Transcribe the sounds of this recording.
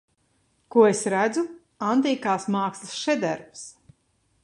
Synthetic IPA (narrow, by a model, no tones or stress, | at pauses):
kuɔesɾæd̪zu | ant̪iːkaːsmaːkslˠɨsʃɛd̪æɾps